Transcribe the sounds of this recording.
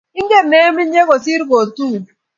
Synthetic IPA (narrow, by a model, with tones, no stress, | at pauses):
ɪ˦ŋ˦ɡe˦˨ne˦mi˦e˦ko˨si˦ɾɡo˨tu˦˨